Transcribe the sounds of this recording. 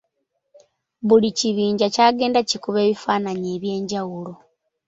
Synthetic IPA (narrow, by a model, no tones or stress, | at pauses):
βuliciβiːɲɟacaːɡe̞ːndacikuβe̞ːβifaːnaɲeːβje̞ːɲɟawulo̞